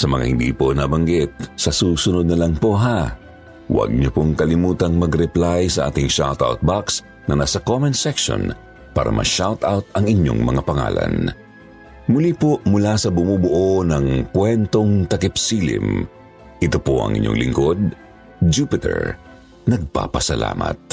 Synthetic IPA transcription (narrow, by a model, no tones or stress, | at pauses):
sɐmɐŋa̰hɪnd̪ḭpo̞nabɐŋɡɪt̪̚sɐsuːsʊnod̪nɐlɐŋpo̞ʔɦa | wɐ̰ɡ̚ɲopoŋkɐlɪmuːt̪ɐŋmɐɡɾɛplajsɐʔa̰ːt̪ɪŋʃa̰lt̪a̰wt̪̚baks | nɐ̰naːsɐkomɛnsɛkʃo̰n | pa̰ːɾɐ̰mʔɐ̰ʃawt̪awt̪̚ɐŋɪɲo̰ŋmɐ̰ŋapɐŋa̰ːlɐ̰n | mʊlipoʔmʊlasɐbʊmubʊʔonɐŋkwɛnt̪o̞ŋt̪ɐkɪpsilɪ̰m | ʔɪt̪opoʔɐ̰ŋʔɪ̰ɲːo̰ŋlɪŋkod̪̚ | d͡ʒuːpɪt̪ɛ̰ɹ | nɐɡ̚pa̰pɐsɐla̰ːmɐ̰t̪̚